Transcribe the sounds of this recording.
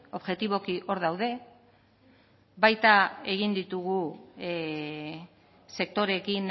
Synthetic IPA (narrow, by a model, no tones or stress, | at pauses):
o̞βʝe̞t̪iβ̞o̞kiʔo̞ɾð̞awð̞e̞ | βajt̪ae̞ɣ̞ind̪it̪uɣu | se̞k̚t̪o̞ɾe̞kin